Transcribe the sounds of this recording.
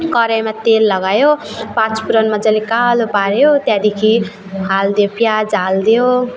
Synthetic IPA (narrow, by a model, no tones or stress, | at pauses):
kʌɾajmat̪elːʌɡajopãt͡spuɾʌnmad͡zʌlikalopaɾjot̪jãd̪ekʰi | ɦald̪ejopjad͡zald̪ejo